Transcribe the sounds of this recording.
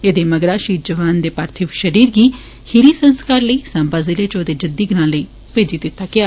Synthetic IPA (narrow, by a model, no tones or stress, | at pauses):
ed̪eːməɡɾaːʃiːɾ̚d͡ʒəʋaːnd̪eːpaːɾt̪ʰɪʋʃəɾiːɾɡiː | hɪɾiːsə̃nskaːɾləiːsãːmbaːzɪleːt͡ʃoːd̪eːd͡ʒəd̪iːɡɾãːləiː | peːd͡ʒiːd̪ɪt̪ːaːkɪaː